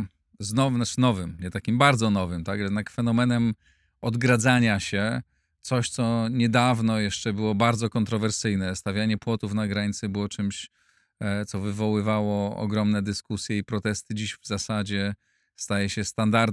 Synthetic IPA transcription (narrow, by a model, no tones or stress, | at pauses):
znɔvnat͡ʂnɔvɘmɲɛt̪akʲimbaɾd̪zɔnɔvɘmt̪akjɛd̪nakfɛnɔmɛnɛm | ɔd̪ɡɾad̪zaɲaɕɛ | t̪sɔɕt̪sɔɲɛd̪avnɔjɛʂt͡ʂɛbɘwɔbaɾd̪zɔkɔnt̪ɾɔvɛɾsɘjnɛst̪avʲjaɲɛpwɔt̪ufnaɡɾaɲt̪sɘbɘwɔt͡ʂɘmɕ | t̪sɔvɘvɔwɘvawɔɔ̰ɡɾɔmnɛd̪ɘskusʲjɛipɾɔt̪ɛst̪ɘd͡ʑiɕvzasad͡ʑɛ | st̪ajɛɕɛst̪and̪aɾd̪